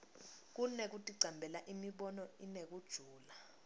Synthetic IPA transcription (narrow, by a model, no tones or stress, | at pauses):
k̬unek̬utʼiǀʱambʱɛlaʔimiɓɔnɔinek̬ud̥ʒ̥ʱuːla